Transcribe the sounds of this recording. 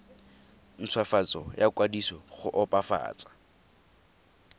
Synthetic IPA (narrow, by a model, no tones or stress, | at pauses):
n̩t͡sʰwafat͡sɔjakʼwadisɔχʊʔɔpʼafa̰ːt͡sʼḁ